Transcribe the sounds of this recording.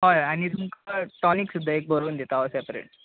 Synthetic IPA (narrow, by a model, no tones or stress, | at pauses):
ɦɔjañit̪umkaʈɔniksud̪ʱːaek̚bəɾoənd̪ʱet̪aɦəsɛpɾḛɳʈ